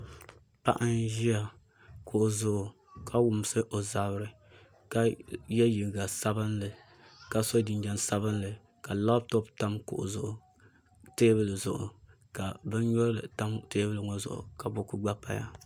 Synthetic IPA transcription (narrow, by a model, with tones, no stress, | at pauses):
pa̰˦ʔɨ˦nʒi˦a˨ | kʊ˨ʔʊ˨zʊ˦ʔʊ˨ | kʰa˦wʊ˦m˦sɨ˦ʔo˨za˨bɨ˦ɾɨ˨ | ka˦jɛ˦ji˨ɡa˨sa˦bɨ˦nlɨ˨ | ka˦so˦di˨nd͡ʒa˨nsa˦bɨ˦nlɨ˨ | ka˨la˦btɔ˦pta˦mkʊ̰˨ʔʊ̰˨zʊ˨ʔʊ˨ | te˦bɨ˦lɨ˨zʊ˨ʔʊ̰˨ | ka˨bɨ˦n˦ɲɔ˦ɾɨ˦lɨ̰˨ta˦mte˦bɨ˦lɨ˨ŋɔ˦zʊ̰˨ʔʊ̰˨ka˨bo˦ku˦ɡ͡ba˦pa̰˨ja̰˦˨